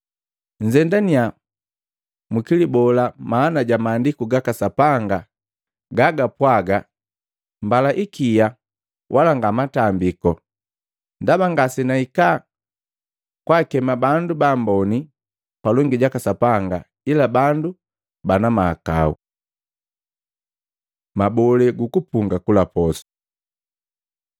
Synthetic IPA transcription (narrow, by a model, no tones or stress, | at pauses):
ɲ̩d͡ʒɛndania | mukilibɔlamaːnaɟamaːndikuɡakasapaŋɡa | ɡaɡapwaɡa | mbalaʔikija | wʔalaŋɡamatambikɔ | ndabaŋɡasinaika | kwakɛmabandubambɔni | palɔŋɡiɟakasapaŋɡa | ilabandu | banamaːka̰ṵ | mabɔlɛɡukupuŋɡakulapɔsɔ̥